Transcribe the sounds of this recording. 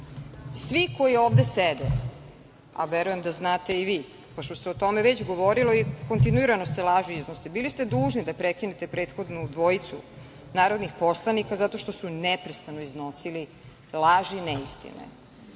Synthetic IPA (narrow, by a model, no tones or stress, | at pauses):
sʋiko̞jioːvd̪esed̪e | a̰ʋeɾuje̞md̪aznaːt̪e̞iʋiː | poʃt̪oseot̪o̞meʋet͡ɕɡo̞ʋo̞ɾiloiko̞nt̪̬inuiɾano̞selaʒiiznosebilist̪e̞d̪uːʒnid̪apɾekinet̪e̞pɾe̞ːt̪xo̞d̪nud̪ʋo̞it̪sṵ | naːɾo̞d̪nixpo̞slˠanikazat̪o̞ʃt̪o̞sunɛpɾest̪ano̞izno̞sili | lˠaʒinɛist̪ḭnḛ